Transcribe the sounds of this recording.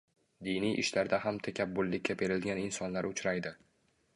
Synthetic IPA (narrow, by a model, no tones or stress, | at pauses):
d̪ijnijʔɪ̰ʃlaɾd̪aɦamt̪ʰakʲʰap̚bʊlːɪkʲʰːapʰe̞ɾɪlɡʲanɪnsɒnlaɾʊt͡ʃʰɾajd̪ɪ